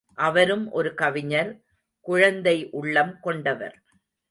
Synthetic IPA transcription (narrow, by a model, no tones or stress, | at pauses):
ʔɐʋɐɾɯmʔɔɾɯkɐʋɪɲɐɾ | kʊɻɐnd̪ɐɪʔʊɭːɐmkɔɳɖɐʋɐ̰ɾ